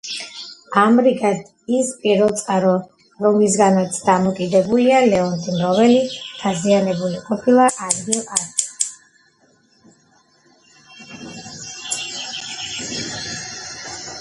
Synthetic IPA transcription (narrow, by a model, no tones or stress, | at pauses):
amɾiɡad̪ | ispʼiɾvɛlˠt̪sʼqʼaɾɔ | ɾɔmis̬ɡanat̪sʰd̪amɔkʼid̪ɛbulialɛɔnt̪ʰimɾɔvɛlid̪̥azianɛbuliqʼɔpʰilˠaʔad̪ɡilat̪